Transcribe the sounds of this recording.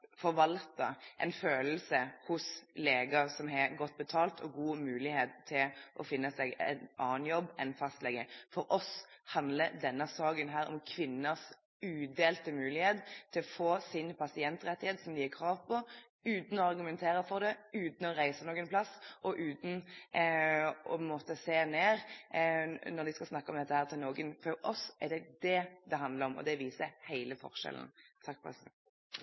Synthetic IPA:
fɔʁʋɑlt̪ɑ̰ʔɛ̰ɪnføːləl̩səhʊsleːɡəsɔmɦɛɑɡɔt̪̚ːbət̪ʰɑːlt̪ʰɔɡuːmʉːlɪheːt̪ʰːɪlʔɔ̰fɪnːəsɛːɡɛ̰nʔɑːnjɔbːɛnfɑst̪lɛɡəfɔɾʔɔshɑnd̪ləd̪ɛnːəsɑːɡənɦæːɾɔ̰mkʰʋɪnːəs | ʉːd̪eːlt̪əmʉːlɪheːt̪t̪ʰːɪlɔfoːsɪnpʰɑsɪɛnt̪ʁɛt̪ːɪheːt̪sɔmd̪ɪɛkʰɾɑːʋpʰɔ | ʉːt̪n̩ɔɑʁɡʉmɛnt̪ʰeːɾəfɔʁd̪ɛʉːt̪n̩ɔɾæɪsənoːɡənpʰlɑsʔɔʔʉːt̪n̩ | ɔ̰mɔːt̪əseːneːʁ | nɔʁd̪ɪskɑsnɑkːəɔmd̪ɛt̪ːəhæːʁt̪ʰɪlnoːɡənfɔɾʔɔsʔɛʁɖɛd̪ɛd̪ɛɦɑnd̪ləɾɔmɔ̰d̪ɛʋiːsəhæɪləfɔ̰ʁʂɛ̰l̰n̩t̪ʰɑk̚ːpɑ̰s

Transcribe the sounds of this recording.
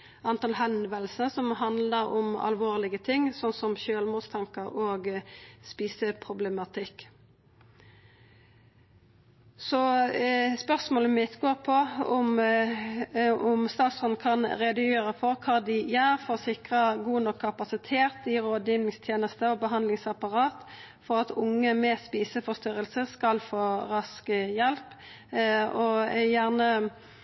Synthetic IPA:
ʔɑnt̪ɑlhɛnʋəlsnəsɔmɦɑnd̪ləɾɔmɑ̰lʋoːʁlɪɡət̪ʰɪŋːsɔnsɔmʃøːlmuːst̪ʰɑŋkəɾoːɡspiːsəpʰʁʊblɛmɑt̪ʰɪkː | sɔ | spœʁsmoːləmɪt̪ɡoːʁpʰɔɔm | ɔmst̪ɑːt̪sɔnkʰɑnʁɛd̪əjøːʁəfɔʁkʰɑːd̪ɪjæːʁfɔʁsɪkʁəɡuːnɔkʰːɑpɑsɪt̪ʰeːʁt̪ɪʁoːd̪jiʋnɪŋst̪ʰjeːnəst̪əɔbəɦɑnd̪lɪŋsɑpɑʁɑːt̪ | fɔʁɑt̪ʊŋːəmɛspiːsəfɔʁst̪ʏʁəlsəskɑlfoːʁɑskəjɛlp | ɔjæʁnə

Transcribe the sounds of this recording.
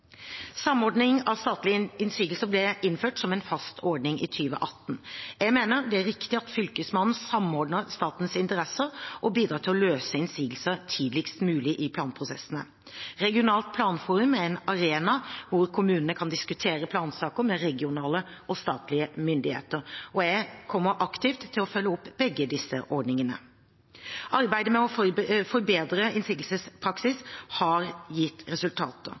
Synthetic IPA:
sɑmɔɖnɪŋɑʋst̪ɑːt̪lɪɪnsiːɡəlsəblɛʔɪnːføːʈsɔmɛnfɑst̪ʰɔɖnɪŋʔɪ̰t̪ʰyːʋə̰ʔɑt̪ːn̩jæɪɡmeːnəɾd̪ɛæɾɪkt̪ɪɑt̪fʏlkəsmɑnn̩sɑmɔɖnəɾst̪ɑːt̪n̩sɪnt̪əʁɛsəɾʔɔbiːd̪ɾɑːt̪ʰɪlɔløːsəɪnsiːɡəl̩səɾt̪ʰiːd̪lɪkst̪mʉːlɪʔɪpʰlɑːnpʰɾʊsɛ̰sən̩ə̰ | ɾɛɡɪʊnɑːlt̪̚pʰlɑːnfuːɾʉmæɾɛnɑɾeːnɑʋʊɾkʰʊmʉːnənəkʰɑnd̪ɪskʉt̪ʰeːɾəpʰlɑːnsɑːkəɾmɛɾɛɡɪʊnɑːləʔɔst̪ɑːt̪lɪəmʏnd̪ɪhḛːt̪əɾɔjæɪkʰɔmːəɾʔɑkt̪ɪft̪ʰːɪlɔfœlːəɔpːbɛɡːəd̪ɪsːə̰ʔɔɾɖnɪŋənə̰ | ʔɑɾbæɪd̪əmɛɔfɔɾbeːd̪ɾəɪnsiːɡ̪l̩səspʰɾɑksɪshɑɾjɪt̪ːɾɛsʉlt̪ʰɑ̰ːt̪ə̰

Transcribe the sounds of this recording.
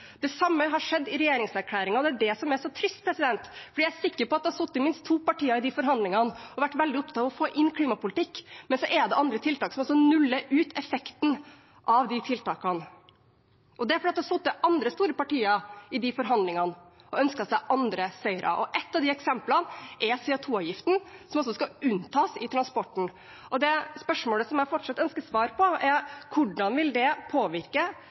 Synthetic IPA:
d̪̥ɛsɑmːəɦɑʂɛd̪ːɪɾɛjeːɾɪŋsæɾkʰlæːɾɪŋɑɔd̪ɛæɖɛsɔmæʂɔt̪ʰɾɪst̪̚pʰɾɛsɪd̪ɛnt̪fɔɖiææsɪkːəɾpɔɑt̪̚d̪ɛhɑsɔt̪ːɪmɪnst̪ʰːuːpɑʈiːəɾɪd̪ifɔɾɦɑnd̪lɪŋɑnɔʋæʈːʋɛld̪ɪɔp̚t̪ʰɑt̪ɑʋɔfoːʔɪnːkʰliːmɑpʊlɪt̪ʰɪkːmɛnsɔʔɛd̪ɛʔɑnd̪ɾət̪ʰɪlt̪ɑːksɔmɔsɔnʉlːəʔʉːt̪ɛfɛkt̪n̩ | ʔɑʋd̪ɪt̪ʰɪlt̪ɑːkɑn | ɔd̪ɛæɾfɾɑːt̪ːɔsɔt̪ːəʔɑnd̪ɾəst̪uːɾəpɑʈiːɑɪd̪ɪfɔɾɦɑnd̪lɪŋɑnɔœnskɑsæɪʔɑnd̪ɾəsœʏɾʔɑ̰ʔɔʔɛt̪ːɑʋd̪ɪɛksɛmplɑnʔɛɾsɛːʊt̪ʰuːɑːʋjɪft̪n̩sɔmɔs̬ɔskɑʉnt̪ʰɑːsɪt̪ʰɾɑnspɔʈːɳ̩ | ʔɔd̪ɛspœʂmoːləsɔmjæɪfɔʈʂɑt̪ːœnskəsʋɑːɾpʰɔæɾkʰʊɖɑnʋɪld̪ɛpʰoːʋɪɾkə

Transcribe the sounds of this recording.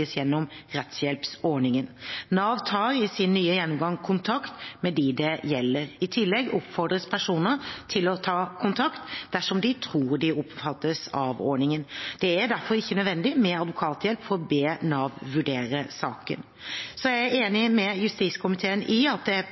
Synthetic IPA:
əsjɛnːɔmɾɛt̪sjɛlpsɔɳɪŋənnɑːʋt̪ʰɑːɾɪsɪnːyːəjɛnːʊmɡɑŋkʰʊnt̪ʰɑkt̪mɛd̪ɪd̪ɛjɛlːəɾɪt̪ʰɪlːɛɡɔpfɔɾɖ̪ɾəspʰæʂuːnət̪ʰɪlɔt̪ʰɑːkʰʊnt̪ʰɑkt̪d̪æʂɔmd̪ɪt̪ʰɾuːdɖɪɔpfɑt̪ːəsɑ̰ʋɔ̰ːɳɪŋənd̪̥ɛæd̪æɾfɔɾɪçːənœd̪ʋɛnd̪ɪmɛɑd̪ʋʊkʰɑːt̪jɛlpfɔɾɔbeːnɑːʋʋʉɖeːɾəsɑːkə̰n | sɔjæɪæeːnɪmɛjʉst̪iːt̪skʰʊmɪt̪ʰeːənʔɪɑt̪̚d̪ɛ

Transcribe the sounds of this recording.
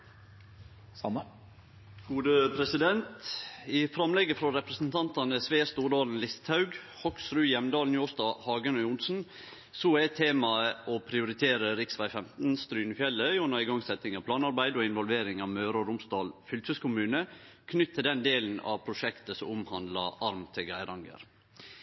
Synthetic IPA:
mə | ɡ̥uːd̪əpʰɾɛsɪd̪ɛnt̪ɪfɾɑmlɛɡəfɾɔɾɛpɾəsn̩t̪ʰɑnt̪ɑnəsʋeːst̪uːɖɑːln̩lɪst̪ʰhɑʉɡ | hɔksɾʉːjɛmd̪ɑːln̩juːst̪ɑːhɑːɡənœʏʊnsn̩ | soæɪt̪ʰːeːmɑəɔpʰɾɪʊɾɪt̪ʰeːɾəɾɪksʋæɪfɛmt̪n̩st̪ɾyːnəfjɛlːəjunɑɪɡɑŋsɛt̪ɪŋɑpʰlɑːnɑɾbæɪd̪ɔɪnʋɔlʋeːɾɪŋɑʋmøːɾɔɾʊmst̪ɑːlfʏlt̪əskʊmʉːnə | kʰnʏt̪ʰːɪld̪ɛnd̪eːln̩ɑ̰ʋpʰɾʊʃɛkt̪əsɔʊmhɑnd̪lɑ̰ʔɑɾmt̪ʰɪɡæɪɾɑŋɡə̰ɾ

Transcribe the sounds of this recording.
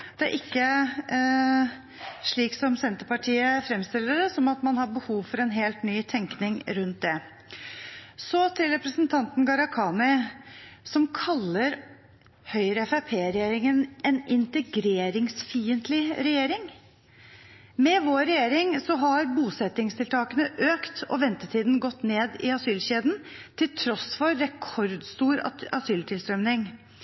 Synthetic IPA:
d̪̥ɛæɾʔɪkːə | ʂɭiːksɔmsɛnt̪əɾpɑʈʰiːəfɾɛmst̪ɪlːəɖɛsɔmɑt̪mɑnhɑbəhuːʋfɔɾɛnɦeːlt̪nyːt̪ʰɛŋknɪŋɾʉnt̪̚d̪ɛ | sɔt̪ʰɪlɾɛpɾəsənt̪ʰɑnt̪n̩ɡɑɾɑkʰɑːnɪ | sɔmkʰɑlːəɾ | hœʏɾəɛfæpʰeːɾɛjeːɾɪŋənɛnɪnt̪əɡɾeːɾɪŋsfiːənt̪ʰlɪɾɛjeːɾɪŋ | mɛʋoːɾɛjeːɾɪŋsɔɦɑɾbuːsɛt̪ɪŋst̪ʰɪlt̪ʰɑːkənəʔøːkt̪ɔ̰ʋɛnt̪ət̪ʰiːd̪n̩ɡɔt̪ːneːd̪ɪɑsyːlɕeːd̪n̩ | t̪ʰɪlt̪ʰɾɔsfɔɾːɛkʰɔɾd̪st̪uːɾɑsyːlt̪ʰɪlst̪ɾœmnɪŋ

